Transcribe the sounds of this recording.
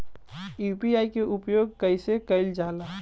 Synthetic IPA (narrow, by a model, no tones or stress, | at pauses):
jupiaːikeʔʊpjoːɡ̚kəɪsekəɪld͡ʒaːlaː